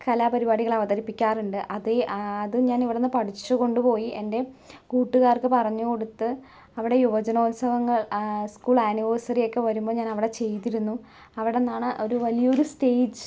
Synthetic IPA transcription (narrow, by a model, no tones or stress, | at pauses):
kɐlaːpɐɾibaːɽiɣɐɭɐʋɐðɐɾipːikʲːaːruɳɖɨʔɐðeːðɨɲaːniʋiɽenːɨpɐʈʰit͡ɕːɨko̞ɳɖupo̞ːjie̞nde̞kuːʈːuɣaːrkɨpɐrɐɲːuko̞ɽut̪ːɨ | ɐʋiɽe̞juʋɐd͡ʑɐnoːt̪sɐʋɐŋːɐɭskuːɭaːniʋoːsɐrijo̞kːe̞ʋɐɾumbo̞ːɲaːnɐʋiɽe̞t͡ɕe̞jt̪iɾunːu | ɐʋiɽenːaːɳɨʔo̞ɾuʋɐlijɐo̞ɾuste̞ːd͡ʑɨ